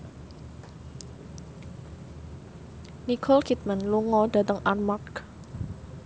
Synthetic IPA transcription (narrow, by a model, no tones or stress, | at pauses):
nikʰɔlkʰit̪̚manluŋɔd̥a̤t̪əŋʔarmak